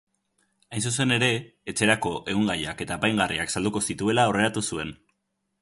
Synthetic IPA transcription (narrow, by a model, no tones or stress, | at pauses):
ajns̬us̬e̞ne̞ɾe̞ːt͡se̞ɾako̞ʔe̞ɣuŋɡajake̞t̪aːpajŋɡariaksald̪uko̞sit̪ue̞laore̞ɾat̪usue̞n